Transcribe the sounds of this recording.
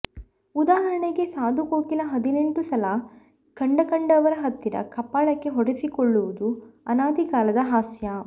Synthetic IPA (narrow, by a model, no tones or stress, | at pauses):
ud̪aːɦɐɾɐɳeɡe̞saːd̪ʱukoːkilɐɦɐd̪ineɳʈusɐlɐ | kɐɳɖɐkɐɳɖɐʋɐɾɐɦɐt̪ːiɾɐ̰kɐpːaːɭɐkːe̞ɦɔɽesikɔɭːuʋud̪uɐnaːd̪ikaːlɐd̪ɐɦaːsjɐ